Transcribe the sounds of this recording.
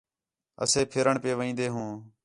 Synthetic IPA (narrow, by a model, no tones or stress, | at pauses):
ə̰seːpʰɪɾəɳpeːʋəĩːnd̪eːɦũː